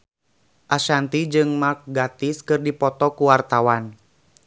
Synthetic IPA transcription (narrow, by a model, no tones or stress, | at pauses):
ʔaʃant̪id͡ʒɨŋmak̚ɡat̪iskɨrdipɔt̪ɔkuwart̪awan